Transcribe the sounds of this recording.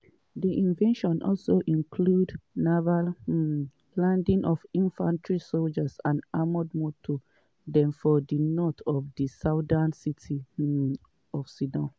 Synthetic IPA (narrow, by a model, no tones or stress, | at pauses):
diʔĩnvɛ̃nʃɔ̃nʔɔ̰lsoʔĩŋkʰludnaval | lãndĩŋʔɔvĩnfãntʰɹisold͡ʒasãnamɔdmɔtʰo | dɛ̃mfɔdinɔtɔvdisadansitʰi | ɔfsidɔ̃n